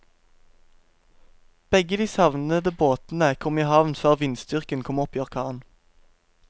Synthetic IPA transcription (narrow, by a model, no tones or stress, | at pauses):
b̥ɛɡəd̪iːsɑʋnəd̪əboːt̪n̩əkʰɔmiːhɑʋnføːʁʋɪnst̪ʏʁkənkʰɔmɔpʰjøːʁkʰɑːn